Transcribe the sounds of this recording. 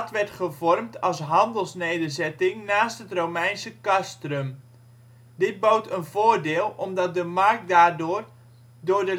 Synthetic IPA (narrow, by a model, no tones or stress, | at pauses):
tʋɛɹtχəvɔrmtʰɑlˠsɦɑndəlˠsnejdərzɛtɪŋnaːstɦətrowmɛjnsəkastrəm | dɪd̚bowtʰənvoːrdɪːlˠɔmdɑt̚dəmark̚daːrdʊːr | dʊːrdə